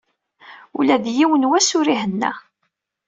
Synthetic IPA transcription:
ṵlæðjiwənwæsʊɾiɦənːæ̰

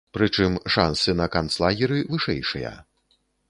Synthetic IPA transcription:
pɾɨt͡ʂɨmʂansɨnɐkant̪slˠaɣʲiɾɨvɨʂɛ̰jʂɨjɐ̰

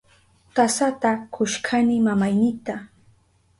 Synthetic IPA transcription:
kasat̪akʰʊʃkʰanɪmamajnɪt̪a

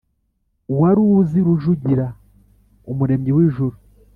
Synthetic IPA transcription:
waɾuziɾuʒuɟiɾa | omuɾe̞ːmɟiwiːʒuɾu

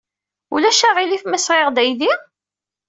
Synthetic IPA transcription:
ṵlæʃæʁilifmæsʁeʁd̪æjði

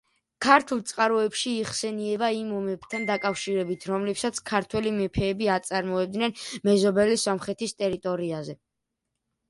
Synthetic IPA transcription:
kʰaɾt̪ʰulˠt̪sʼqʼaɾɔɛpʃiːχsɛniɛbaimɔmɛbt̪ʰand̪akʼafʃiɾɛbit̪ʰɾɔmlɛpsat̪sʰkʰaɾt̪ʰwɛlimɛpʰɛːbiat̪sʼaɾmɔɛb̚d̪nɛnmɛzɔbɛlisɔmχɾɛt̪ʰist̪ʼɛɾit̪ʼɔɾiazɛ

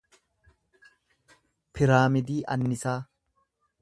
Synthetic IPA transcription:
pʰɪɾaːmɪd̪iːʔɐnːɪsaː

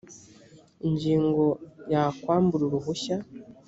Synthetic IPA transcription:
iɲɟiːŋɡo̞jakwaːmbuɾuɾuɦuɕa

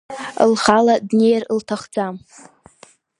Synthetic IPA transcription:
ə̰lχaladnejrltʰaχd͡zam

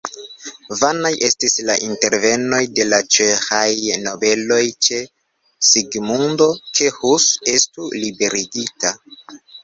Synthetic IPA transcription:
vanajʔe̞stislaʔinte̞ɾve̞no̞jde̞lat͡ʃexajno̞be̞lo̞jt͡ʃe̞ | siɡmundo̞t͡ʃe̞husestulibe̞ɾiɡita

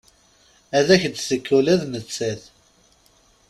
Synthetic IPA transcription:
æðæçd̪θəkʰːulæðnət͡sːæθ

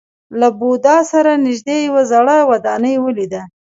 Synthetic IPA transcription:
labud̪ɑsaɾanɪʒd̪ejawazaɽəwad̪ɑnəjwəlid̪a

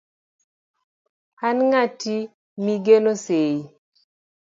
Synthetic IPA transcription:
anŋati | miɡenosei

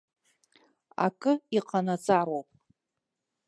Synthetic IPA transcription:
a̰kʼɨiqʰʼanat͡sʼaɾowpʼ

